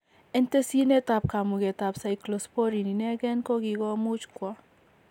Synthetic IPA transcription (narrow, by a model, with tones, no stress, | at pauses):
e˦nte˦si˦ne˦ta˨p̚ka˨mu˨ɡe˨ta˨psa˨iklɔ˨spo˦ɾi˨ni˨nɛ˦ɡɛ˦nkɔ˦ɡi˨ɡɔ˦mu˦t͡ʃkwɔ˦